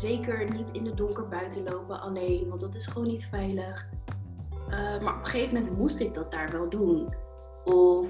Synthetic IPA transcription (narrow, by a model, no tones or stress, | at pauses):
zejkəɹnitɪndədʊŋkəɹbœɥtəlowpəʔɑlejnʋɑntdɑtɪsχəʋownːitfɛjləχ | əmaːɹʔɔpə̥χejfəmɛntmustɪɡ̚dɑt̚daːɹʋɛlˠdun | ɔ